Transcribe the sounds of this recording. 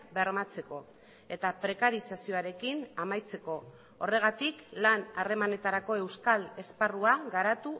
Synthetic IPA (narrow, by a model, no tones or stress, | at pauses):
be̞ɾmat͡se̞ko̞ | e̞t̪apɾe̞kaɾisasio̞aɾe̞kinamajt͡se̞ko̞ | ore̞ɣ̞at̪iklanare̞mane̞t̪aɾako̞e̞wskale̞sparuaɣaɾat̪u